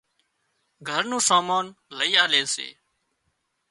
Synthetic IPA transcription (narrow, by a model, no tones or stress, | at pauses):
ɡʱəɾnũːsaːmaːnləiːaːleːsḛː